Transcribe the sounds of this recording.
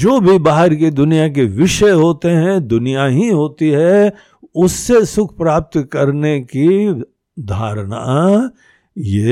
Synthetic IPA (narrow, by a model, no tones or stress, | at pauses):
d͡ʒoːbʱibaːɦəɾked̪ʊnijak̬eʋɪʃəɦoːt̪eɦɛ̃d̪ʊnijaɦiɦoːt̪iɦɛ | ʊsːesʊkʰpɾaːp̚t̪kɐɾneki | d̪ʱaːɾna̰ | jeː